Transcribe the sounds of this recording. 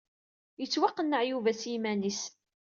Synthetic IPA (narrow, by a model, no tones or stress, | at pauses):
jət͡sːwɑqːənːəʕjuvæsjimænis